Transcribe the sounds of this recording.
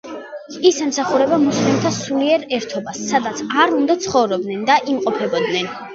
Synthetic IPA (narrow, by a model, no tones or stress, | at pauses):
isɛmsaχuɾɛbamuslɛmt̪ʰasuliɛɾɛɾt̪ʰɔbasːad̪at̪sʰaɾund̪at̪sʰχɔvɾɔb̚d̪nɛnd̪aʔimqʼɔpʰɛbɔd̪nɛn